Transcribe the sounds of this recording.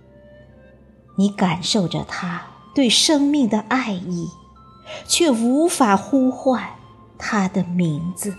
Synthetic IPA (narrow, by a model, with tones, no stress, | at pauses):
ni˧˥ka˨˩nʂo˥˩ʊʈ͡ʂə̰˩t̪ʰa˥ | t̪we˥˩ɪʂɤ˥ŋmi˥˩ŋd̪ə˩ʔa˥˧ɪi˥˩ | t͡ɕʰɥɛ˥˩u˧˥fa˨˩xu˥xwa˥˩n | t̪ʰa˥d̪ə˨mi˧˥ŋd͡zɹ̩˧